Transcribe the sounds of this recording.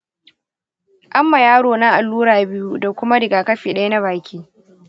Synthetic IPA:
ʔa˦mːa˨jaː˦ɽoː˨na˦ʔa˨lːuː˦ɾaː˨bɪ˦ju˦da˨kʷʊ˦ma˦ɾɪ˨ɡaː˨kɐ˦ɸiː˨ɗɐ˦jna˦βaː˨kʲiː˦

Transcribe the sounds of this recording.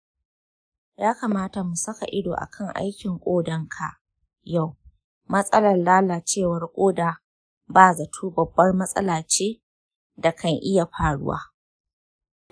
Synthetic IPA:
jaː˦ka˨maː˦ta˨mu˨sɐ˦ka̰˨ʔɪ˦do̰ː˨ʔa̰˨kʰɐ˦˨ŋʔa̰˦jkʲɪ˨ŋkʷʼoː˦dɐ˦ŋkʰa˨ʔ | ja˦˨w | mɐ˦sʼɐ˦lɐ˨rlaː˦laː˨t͡ʃeː˦˨wɐ˨rkʷʼoː˦daː˨ | baː˦zɐ˨tʰuː˦bɐ˨bːɐ˦rmɐ˦sʼɐ̰˦laː˨t͡ʃeː˦ | da˨kʰɐ˦˨ŋʔɪ˦ja˨ɸaː˨ɽʊ̰˦wa̰ː˦

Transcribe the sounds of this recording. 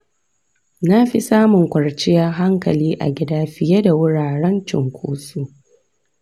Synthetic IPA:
na˦ɸi˦saː˦mʊ˨ŋkʷɐ˨ɽt͡ʃɪ˦ja˦ɦa˦ŋkɐ̰˨liː˦ʔa̰˨ɡʲɪ˦daː˦ɸɪ˨jɛ˦da˨wʊ˦ɽaː˨ɽɛ˦nt͡ʃɪ̰˨ŋkʷʰuː˦su˦

